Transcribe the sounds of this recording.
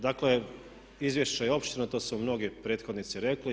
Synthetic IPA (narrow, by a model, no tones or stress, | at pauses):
d̪akle | izʋjeʃt͡ɕajeo̞pʃt̪inat̪o̞ːsumno̞ɡepɾet̪xo̞d̪nit̪siɾekli